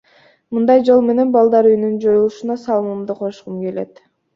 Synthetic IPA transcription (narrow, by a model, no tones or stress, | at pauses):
mund̪ɑjd͡ʒo̞lˠme̞ne̞nbɑlˠd̪ɑɾyjnynd͡ʒo̞julˠuʃunɑsɑlˠɯmɯmd̪ɯqʰo̞ʃqumɡe̞le̞̰t̪